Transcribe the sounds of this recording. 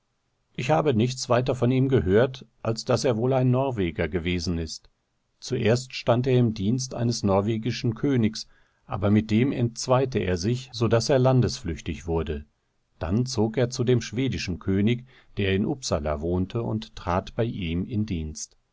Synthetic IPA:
ʔɪçhaːbənɪçt͡sv̥aɪtɐfɔniːmɡəɦøːɐtʔalsd̥aseːɐvoːlaɪnːɔɐveːɡɐɡəveːzn̩ɪst | t͡suʔeːɐstʃtanteːɐɪmdiːnstʔa̰ɪnəsnɔɐveːɡɪʃn̩kʰøːnɪks | ʔa̰ːbɐmɪt̚d̥eːmɛ̰ntt͡sv̥aɪtəʔḛːɐzɪçz̥odaseːɐlandəsflʏçtɪçv̥ʊɐdə | d̥a̰nt͡soːkeːɐt͡sudeːmʃv̥eːdɪʃn̩kʰøːnɪç | d̥eːɐɪnʔʊpsa̰la̰voːntʰəʊ̰nttʁ̥aːtb̥aɪʔiːmɪndiːnst

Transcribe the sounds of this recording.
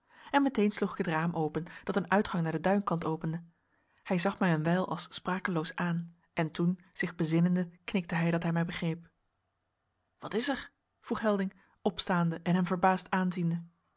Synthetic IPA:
ɛnmɛtejnsluχɪ̥kɦətraːmʔowpənd̥ɑtənœɥtχɑŋnaːɹdədœɥnkɑntowpəndə | hɛjzɑχmɛjənʋɛjlˠʔɑ̰lˠsspraːkəlowsaːn | ʔɛntun | z̥ɪχbəzɪnəndəknɪk̚təɦɛjdɑtɦɛjmɛjbəχrejp | ʋɑtɪzəɹ | v̥ruχɦɛlˠdɪŋ | ɔpstaːndəʔɛnɦɛmvəɹbaːstaːnzində

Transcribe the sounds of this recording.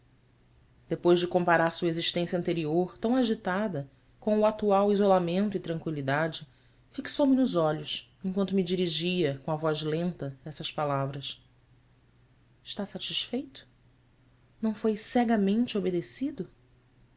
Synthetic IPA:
d̪̥epojzd͡ʒɪkõmpaɾaɾsuɐeziʃt̪ẽsjɐ̃nt̪eɾioɾt̪ɐ̃w̃aʒit̪ad̪ɐ | kõw̃uat̪uawizolamẽnt̪ʊɪt̪ɾɐ̃ŋkwilid̪ad͡ʒɪ | fiksowmɪnʊzɔʎʊʃẽŋkwɐ̃nt̪̬ʊmid͡ʒiɾiʒiɐkõɐvɔzlẽnt̪ɐɛsɐʃpalavɾɐs | ɪʃt̪asat͡ʃiʃfejt̪ʊ̥ | nɐ̃w̃fojsɛɡɐmẽnt͡ʃɪobed̪esid̪ʊ

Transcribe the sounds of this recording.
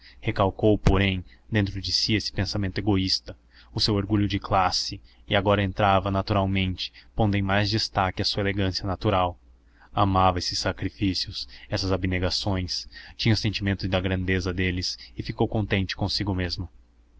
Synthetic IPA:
hekawkowpoɾẽj̃d̪ẽnt̪ɾʊd͡ʒɪsiesɪ̥pẽsamẽnt̪ʊeɡoist̪ɐ | ʊsewoɾɡuʎʊd͡ʒɪklasɪɪaɡɔɾɐẽnt̪ɾavɐnat̪uɾawmẽnt͡ʃɪ̥põd̪ẽj̃majzd͡ʒɪst̪akɪɐsuɐeleɡɐ̃siɐnat̪uɾaw | amavɐesɪsːakɾifisiʊsɛsɐzabɪneɡasõj̃st͡ʃĩɲɐʊsẽnt͡ʃimẽnt̪ʊzd̪ɐɡɾɐ̃nd̪ezɐd̪elɪsɪfikowkõnt̪ẽnt͡ʃɪ̥kõsiɡʊmezmʊ

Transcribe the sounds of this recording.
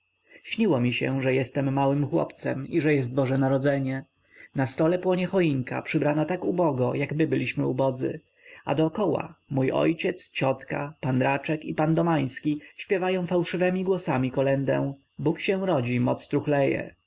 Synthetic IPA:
ɕɲiwɔmʲiɕɛ̰ʐɛjɛst̪ɛmːawɘmxwɔ̰pt̪sɛmiʐɛjɛst̪̚bɔʐɛnaɾɔd̪zɛɲɛ | nast̪ɔlɛpwɔɲɛxɔiŋka̰pʂɘbɾanat̪akubɔɡɔjaɡmɘbɘlʲiɕmɘubɔd̪zɘ̰ | a̰d̪ɔːkɔwa̰mujɔ̰jt͡ɕɛt̪st͡ɕɔt̪kapand̪ɾat͡ʂɛkipand̪ɔmaj̃skʲiɕpʲjɛvajɔ̃w̃fawʂɘvɛmʲiɡwɔsamʲikɔlɛnd̪ɛ̰̃ | bukɕɛ̃w̃ɾɔd͡ʑimɔt̪st̪ɾuxlɛjɛ̰

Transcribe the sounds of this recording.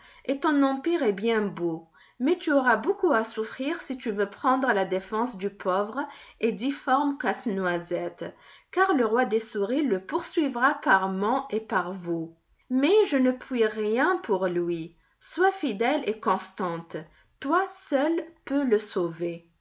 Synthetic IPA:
ʔet̪ɔ̃nɑ̃piʁɛbjɛ̃bo | mɛt̪yoʁabokuasufχiʁsit̪yvøpχɑ̃d̪ʁəlad̪efɑ̃sd̪ypʰɔvʁed̪ifɔʁmkasnwazɛt̪kaʁləʁwad̪esuʁiləpuʁsɥivʁapaʁmɔ̃ʔepaʁvu | mɛʒənəpʰɥiʁjɛ̃puʁlɥi | swafid̪ɛlekɔ̃st̪ɑ̃t̪ | t̪wasœlpøləsove

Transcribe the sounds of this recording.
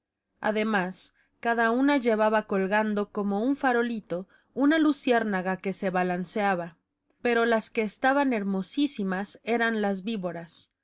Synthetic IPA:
a̰ðe̞mas | kaðaunaʝe̞βaβako̞lɣand̪o̞ko̞mo̞uɱfaɾo̞lit̪o̞ | unalusje̞ɾnaɣake̞se̞βalanseaβa | pe̞ɾo̞laske̞ːst̪aβane̞ɾmo̞sisimase̞ɾanlazβiβo̞ɾas

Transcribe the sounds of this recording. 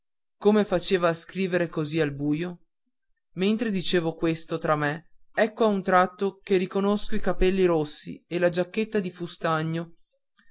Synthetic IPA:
komefat͡ʃeːvaːskɾiːveɾekozialbuːjo | ment̪ɾed̪it͡ʃeːvokwest̪ot̪ɾamːeɛkːoaunt̪ɾat̪ːokerikonoskoikapɛlːiɾosːḭelad͡ʒakːet̪ːad̪ifust̪aɲːo

